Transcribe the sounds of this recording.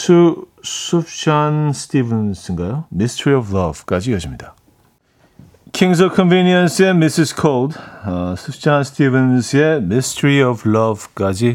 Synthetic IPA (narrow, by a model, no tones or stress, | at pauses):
sʰu | sup̚t͡ɕanstʰivənsɯŋɡajomistʰɾiʌvlʌv̥k͈ad͡ʑijʌd͡ʑimɲid̪a | kʰiŋs̬ʌkʰɔnvinjʌnsemisiskʰoldsupt͡ɕanstʰivensjemistʰəɾiʌvlʌvk͈ad͡ʑi